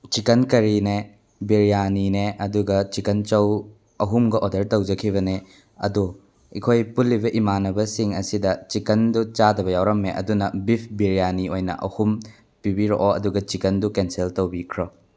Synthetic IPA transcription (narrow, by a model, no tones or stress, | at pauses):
t͡ʃikɐnkɐɾine | biɾijanineʔɐduɡɐt͡ʃikɐnt͡ʃɐw | ɐɦumɡɐʔɔdɐɾtɐwd͡ʒɐkʰiβɐne | ɐ̰du | ḭkʰojpulːibɐʔimanɐbɐsiŋɐsidɐt͡ʃikɐndut͡ʃadɐbɐjawɾɐmːeʔɐ̰dunɐbipʰbiɾijaniojnɐ̰ʔɐ̰hum | pibiɾo̰ʔoɐduɡɐt͡ʃikɐndukenseltowbikʰɾɔ